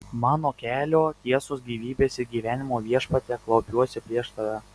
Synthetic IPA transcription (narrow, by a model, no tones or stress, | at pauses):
mɑːnoːkʲæːlʲoːt̪ʲiɛsoːsɡʲiːʋʲiːbʲeːsɪɾɡʲiːʋʲæːnʲɪmoːʋʲiɛʃpɐt̪ʲɛklˠɐʊpʲuɔsʲɪpʲɾʲiɛʃt̪ɐʋʲɛ